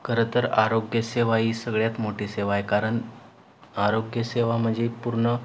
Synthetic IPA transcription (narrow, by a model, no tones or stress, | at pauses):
kəɾət̪əɾaɾoɡjəseʋaiːsəɡɭjat̪moʈiːseʋajkaɾəɳ | aɾoɡjəseʋam̤əɳd͡zepuɾɳə